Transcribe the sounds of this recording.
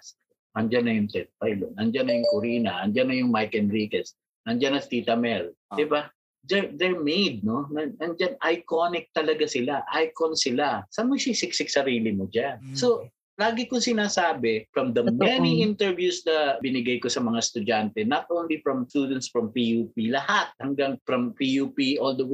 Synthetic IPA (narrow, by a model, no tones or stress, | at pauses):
ʔɐŋd͡ʒanːɐjʊŋt̪ɛt̪̚fajlo̰nɐŋd͡ʒanːɐjʊŋkʊɾiːnɐʔɐnd͡ʒanːɐjʊŋmajkɛnɹikɛs | nɐŋd͡ʒanɐt̪it̪ɐmɛld̪ɪba | d̪ɛɹd̪ɛɹmejd̪̚no̞nɐŋɐŋd͡ʒanʔɐjkonɪk̚t̪ɐlɐɡasɪlaʔajkonsɪlasɐmʊjsɪsɪɡ̚sɪɡ̚sɐɾiːlɪmod͡ʒanso̞ | laːɡɪkʊŋsɪnaːsaːbɛfɹɐmd̪ɐmɛniʔint̪ɛɹvjusd̪ɐbɪnɪɡajkosɐmɐŋast̪ʊd͡ʒant̪ɛnɐt̪̚ʔõwnlifɹɐmst̪uːd̪ɛnt̪sfɹɐmpijuːpilɐhat̪̚hɐŋɡaŋfɾɐmpijupiʔold̪ow